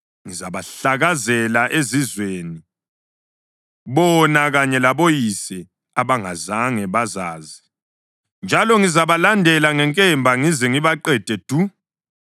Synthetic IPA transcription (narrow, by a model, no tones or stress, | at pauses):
ŋizaβaɬaɣazɛlaʔezizweːni | βɔnaɣaɲɛlaβojisɛ | aβaŋazaŋɛβazaːzi | nd͡ʒʱalɔŋizaβalandʱɛlaŋɛŋkʼɛmbʱaŋizɛŋiβaǃɛd̥ʱɛd̥ʱu